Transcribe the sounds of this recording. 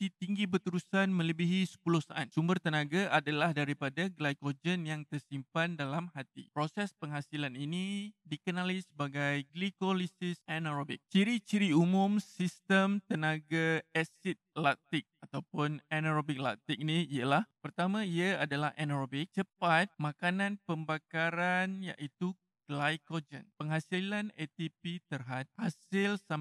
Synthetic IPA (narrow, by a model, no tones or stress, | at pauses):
t̪it̪iŋɡibərt̪uɾusanmə̃ləbiɦisə̥pulʊhsaʔansumbərt̪ənãɡaʔadalahdaɾipadaɡlajkod͡ʒənjaŋt̪ərsimpandalamhat̪ḭpɾosɛspəŋɦasilaninidikənalisəbaɡajɡlikolisɪsɛnaɾobɪk̚t͡ʃiɾit͡ʃiɾiumʊ̃msist̪əmt̪ənaɡaɛsit̪̚lak̚t̪ɪk̚at̪awpʊnɛnaɾobɪk̚la̰k̚t̪ik̚niialahpərt̪amãiaadala̰hʔɛnaɾobɪk̚t͡ʃəpat̪̚mãkanãnpəmbakaɾanja̰ʔit̪u | ɡ̥lajkod͡ʒə̰npəŋɦasilanet̪ipit̪ərɦat̪̚hasɪlsa